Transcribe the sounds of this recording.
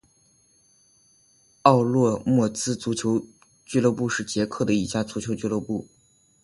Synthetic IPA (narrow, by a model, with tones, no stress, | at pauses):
ɑ˥˧ʊlwɔ˥˧mwɔ˥˩t͡sɹ̩˥t͡su˧˥t͡ɕʰjo˧˥ʊ | t͡ɕy˥˧lwɤ˥˧pu˥˧ʂɻ̩˥˩t͡ɕjɛ˧˥kʰɤ˥˩d̪ə˩i˧˥˩t͡ɕja˥˩t͡su˧˥t͡ɕʰjo˧˥t͡ɕy˥˧lwɔ˥˧pu˥˩